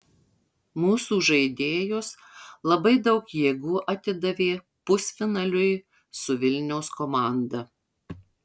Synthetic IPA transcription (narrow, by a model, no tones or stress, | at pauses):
muːsuːʒɐɪd̪ʲeːjoːs | lˠɐbɐɪd̪ɐʊkjeːɡuːʔɐt̪ʲɪd̪ɐʋʲeː | pʊsʲfʲɪnɐlʲʊj | sʊʋʲɪlʲnʲɛʊskoːmɑˑnd̪ɐ